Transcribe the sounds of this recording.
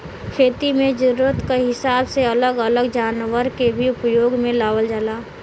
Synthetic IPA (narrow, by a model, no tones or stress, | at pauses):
kʰeːt̪imẽd͡ʒʊɾuɾət̪kaɦɪsaːbseɐləɡələɡd͡ʒaːnʋəɾkebʱiʊpjoːɡmẽlaːʋəld͡ʒalaː